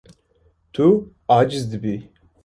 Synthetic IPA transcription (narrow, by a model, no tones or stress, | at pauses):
t̪ʰu | aːd͡ʒizd̪ɨbi